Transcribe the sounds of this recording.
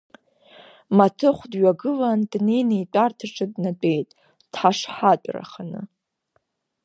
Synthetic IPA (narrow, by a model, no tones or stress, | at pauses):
matʰɨχʷdɥaɡɨlandnejnejtʷʼartʰaʈ͡ʂʰʼɨdnadʷʼe̞jtʼ | d̥ħaʂħat͡pʷʼra̰χanɨ̰